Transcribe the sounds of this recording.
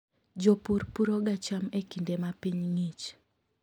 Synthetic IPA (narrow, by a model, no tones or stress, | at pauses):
d͡ʒɔpuɾpuɾɔɡat͡ʃamekindemapiɲŋit͡ʃ